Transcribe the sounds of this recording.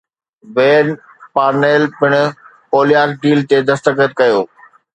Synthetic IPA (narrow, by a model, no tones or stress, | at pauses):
ʋeːn | paːɾneːlpɪɽ̃ʊ̆ | oːlijaːkɖiːlt̪ed̪ɐst̪əkət̪̚kɐjoː